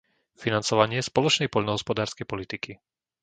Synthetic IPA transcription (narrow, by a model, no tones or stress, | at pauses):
finant͡sɔʋaɲɪɛspɔlɔt͡ʃnɛjpɔʎnɔɦɔspɔd̪aːɾskɛjpɔlit̪iki